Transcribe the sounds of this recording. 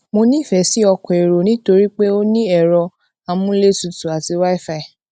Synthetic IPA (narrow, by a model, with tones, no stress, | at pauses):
mo˧nĩ˦˨fɛ˨˦si˨˦ɔ˧kɔ̃˨e˨ɾo˨nĩ˨˦to˧ɾi˦k͡pe˦o˦nĩ˦ɛ˦˨ɾɔ˧ | a˧mũ˦le˦tu˧tu˨a˨ti˧wa˦i˦˨fa˧i˨